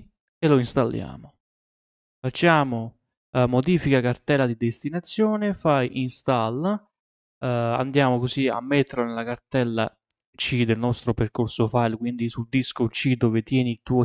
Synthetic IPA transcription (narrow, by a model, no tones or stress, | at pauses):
eloinst̪alːja̰ːmo | fat͡ʃːaːmo | mod̪iːfikakart̪ɛlːad̪id̪est̪inat̪sːjoːnefajʔinst̪alː | a̰nd̪jaːmokosia̰mːet̪ːeɾlonelakart̪ɛlːa̰ | t͡ʃid̪elnɔst̪ɾoperkorsofajlkwind̪isuld̪iskot͡ʃid̪oːvet̪jɛːnit̪uːo